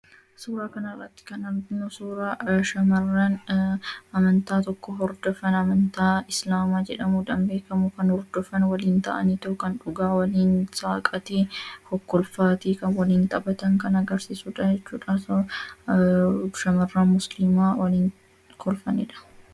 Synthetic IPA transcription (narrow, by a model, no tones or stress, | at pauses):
suːɾaːkɐnɐrːɐt̪ːɪ̥kɐnɐɾd̪ɪnːosuːɾaːʃɐmɐrːan | ɐmɐnt̪aːt̪ɔkːɔɦɔɾd̪ɔfɐnɐmɐnt̪aːɪslaːmaːd͡ʒɛᶑɐmud̪ɐmbe̞ːkɐmʊkɐnhɔɾd̪ɔfɐnwɐliːnt̪ɐ̰ʔɐ̰nit̪ɔkɐnᶑʊɡaːwɐliːnsaːkʼɐt̪eːhɔkːɔlfaːt̪iːkɐnwɐliːnt̪ʼɐbɐt̪ɐŋkɐnɐɡɐɾsisuːᶑɐd͡ʒɛt͡ʃːuːᶑɐs | ʃɐmɐrːaːnmʊslɪmaːwɐliːn | kʰɔlfɐnɪᶑɐ̥